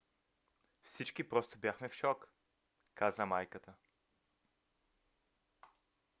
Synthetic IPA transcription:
fsit͡ʃkipɾɔst̪obʲjaxmɛfʃɔk | kazəmajkət̪ə

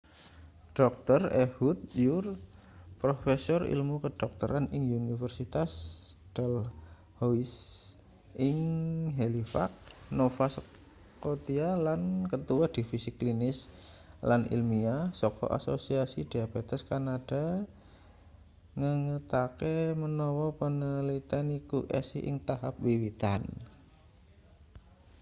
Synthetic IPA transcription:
ɖ̥ɔk̚t̪ərehut̪̚jur | pɾofesɔrḭlmukəɖ̥ɔk̚t̪əɾanʔɪŋunifərsit̪asd̥ɛl | hois | ʔɪŋɦelifa̰k̚nofas | kot̪ialankət̪uwad̥ifisiklinɪs | lanḭlmiasɔkɔ̰ʔa̰sosiasid̥iabet̪ɛskanad̥a | ŋəŋət̪akemənɔwɔpənəlit̪anikuʔɛ̰siʔɪ̰ŋt̪aɦap̚wiwit̪an

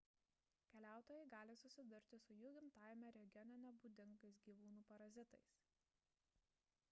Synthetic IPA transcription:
kʲɛlʲæˑʊt̪oːjɛɪɡɑːlʲɪsʊsʲɪd̪ʊɾʲt̪ʲɪsʊjuːɡʲɪmt̪ɑːjmʲɛɾʲɛɡʲɔnʲɛnʲɛbuːd̪ʲɪŋɡɐɪs̬ɡʲiːʋuːnuːpɐɾɐzʲɪt̪ɐɪs

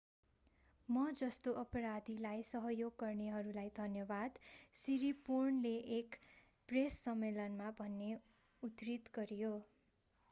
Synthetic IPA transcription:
mʌd͡zʌst̪oʔʌpʌɾad̪ʱilajsʌɦʌjoɡːʌrneɦʌɾulajd̪ʱʌnjʌbad̪siɾipornleʔek | presːʌmːelʌnmabʱʌnːe | ut̪rit̪ɡʌɾijo

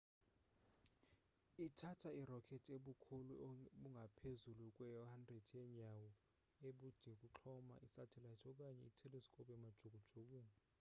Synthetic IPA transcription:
itʰatʰairɔkʰɛtʰeɓukʰuluɓuŋɡʱapʰezulukʼwɛjɔhandred̥ʰjɛɲawɔ | eɓud̥d̥ʱɛk̬ʼuǁʰɔma̰ʔisatʰɛlatʰɔk̬ʼaɲɛitʰɛlɛskʼɔpʼɛmad̥ʒ̥ʱoɡ̥ʱud̥ʒ̥ʱok̬uːn

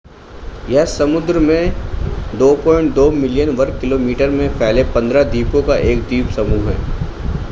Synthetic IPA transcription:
jɛɦsɐmʊd̪ɾəmẽd̪oːpɔ̃ːɪ̃ɳʈ̚d̪oːmɪlijənʋɐɾkːɪloːmiːʈəɾmẽpʰɛːlepɐ̃nd̪ɾad̪iːpõkaʔeːkd̪iːpsɐmuːɦɦɛ̰ː

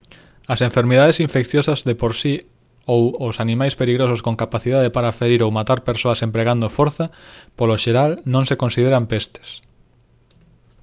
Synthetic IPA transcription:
ɐsẽɱfeɾmeðaðesĩɱfekθjosɐzðepoɾsi | owosanĩmajspeliɣɾososkõŋkapaθiðaðepaɾafeɾiɾowmat̪aɾpeɾsoɐsempɾeɣand̪ofoɾθɐpoloʃeɾalnõŋsekonsiðeɾampest̪e̥s

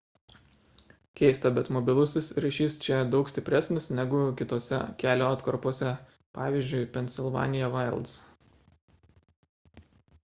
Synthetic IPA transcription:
kʲɛɪst̪ɐbʲɛt̪mɔbʲɪlˠʊsʲɪsɾʲɐɪʃʲiːst͡ʃʲɛd̪ɒʊksʲt̪ʲɪpʲɾʲɛsʲnʲɪsnʲɛɡʊkʲɪt̪oːsʲɛ̰kʲæːlʲoːɐt̪kɐɾpuɔsʲɛ | pɑːʋʲiːzʲd͡ʒʲʊɪpʲɛnʲsʲɪlˠʋɑ̰ːnʲɪjɛʋɐɪlˠt̪s

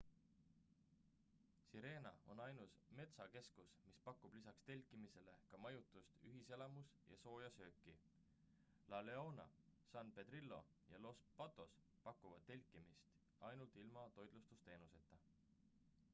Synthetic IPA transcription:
siɾe̞ːnɑ̰o̞̰nɑjnusme̞t̪sɑke̞skusmispɑkːub̥lisɑkst̪e̞lʲkːˑimise̞le̞kɑmɑjut̪ːˑust̪yɦise̞lɑmusjɑ̰so̞ːjɑsø̞ːkˑːi | lɑleo̞nɑ̰sɑnpe̞d̪̥ɾilːo̞̰ | jɑlo̞spɑt̪ːˑo̞s | pɑkˑːuvɑd̪̚t̪ːe̞lʲkːˑimist̪ | ɑjnult̪ˑilmɑt̪o̞jd̪lust̪ust̪e̞ːnuse̞t̪ːˑɑ

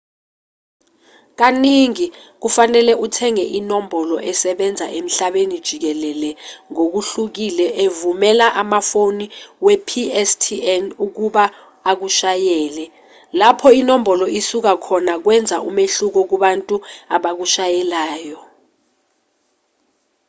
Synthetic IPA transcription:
k̬aniŋik̬ufanɛlɛʔutʰɛŋɛʔinombʱɔlɔʔɛsɛɓɛnd͡zʱa̰ʔem̩ɬaɓenid̥ʒ̥ʱik̬ɛlɛlɛŋok̬uɬuk̬ilɛʔevumɛlaʔamafoniwɛpʰiɛstʰiɛnuk̬uɓa | ak̬uʃajɛːlɛ | lapʰɔinombɔlɔisuk̬akʰɔnak̬wɛnd͡zʱaʔumeɬuk̬ɔk̬uɓantʼuaɓak̬uʃajɛlaːjɔ

